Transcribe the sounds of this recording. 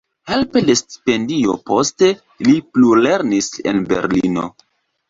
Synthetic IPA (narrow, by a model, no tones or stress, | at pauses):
he̞lpe̞de̞sti̥pe̞ndio̞̰po̞ste̞ | liplule̞ɾnise̞̰nbe̞̰ɾlino̞̰